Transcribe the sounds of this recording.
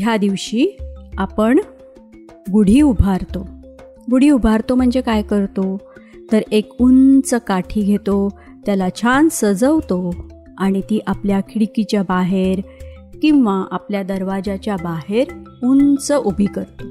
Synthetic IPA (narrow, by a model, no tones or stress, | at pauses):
ɦjad̪iʋɕiːapəɳ | ɡuɽ̤iːubʱaɾt̪o | ɡuɽ̤iːubʱaɾt̪om̤əɳd͡zekajkəɾt̪o | t̪əɾekunt͡səkaʈʰiːɡʱet̪o | t̪jalat͡ɕʰansəd͡zəʋt̪o | aɽ̃it̪iːʔapljakʰɽikit͡ɕjabaɦeɾ | kĩw̃ʋaʔapljad̪əɾʋad͡ʑat͡ɕjabaɦeɾunt͡səʔubʱikəɾt̪o